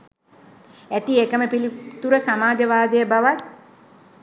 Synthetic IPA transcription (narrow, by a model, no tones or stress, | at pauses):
æt̪iekəməpilit̪uɾəsamaːd̪əʋaːd̪əjəbaʋat̪̚